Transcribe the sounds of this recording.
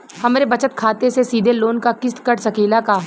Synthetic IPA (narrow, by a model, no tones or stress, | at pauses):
hɐmɾebɐt͡ʃət̪kʰaːt̪esesiːd̪ʱeloːnkakɪst̪kəʈsɐkeːlakaː